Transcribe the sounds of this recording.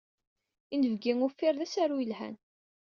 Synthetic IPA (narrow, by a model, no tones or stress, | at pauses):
inəvɡiŋʊfːɪɾðæsaɾujəlhæ̰n